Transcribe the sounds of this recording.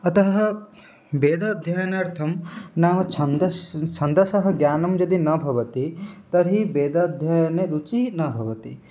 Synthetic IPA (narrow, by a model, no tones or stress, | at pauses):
ɐt̪ɐɦɐ | beːd̪ad̪ʱjaːjɐnɐɾt̪ʰɐmnaːmɐt͡ʃʰɐnd̪ɐt͡ʃʰɐnd̪ɐsɐɦɐ̆ɡjaːnɐmd͡ʒɐd̪inɐbʱɐʋɐt̪it̪ɐɾɦibeːd̪ad̪ʱjaːjɐneɾut͡ʃinɐbʱɐʋɐt̪ḭ